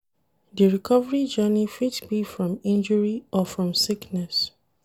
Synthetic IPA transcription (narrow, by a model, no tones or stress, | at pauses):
diɹikʰɔvəɹid͡ʒɜnifitbifɹɔ̃mĩnd͡ʒɔɹiɔfɹɔ̃msiknɛs